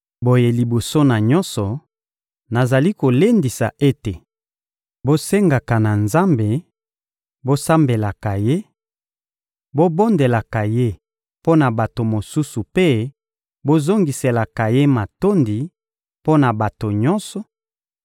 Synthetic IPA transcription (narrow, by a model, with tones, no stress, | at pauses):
bo˨je˨li˨bo˨so˦na˨ɲɔ˦nsɔ˨ | na˨za˨li˦ko˨le˦ndi˨sa̰˨ʔe˦te˨ | bo˦se˦ŋɡa˨ka˨na˨nza˦mbe˨ | bo˦sa˦mbe˨la˨ka˨je˦ | bo˦bo˦nde˨la˨ka˨je˦ | po˦na˨ba˨to˨mo˨su˦su˨pe˦ | bo˦zo˦ŋɡi˨se˨la˨ka˨je˦ma˨to˦ndi˨ | po˦na˨ba˨to˨ɲɔ˦nsɔ˨